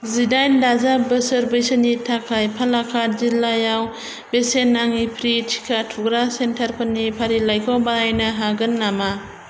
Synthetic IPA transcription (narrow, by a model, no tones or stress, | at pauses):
zidajndazabəsəɾbejsənitʰakʰajpʰalakʰad͡ʒilːajaw | besenːaŋipʰɾitʰi̥kʰatʰuɡɾasentʰaɾpʰɯnːipʰaɾilajkʰawbaajnɯɦaɡɯnːama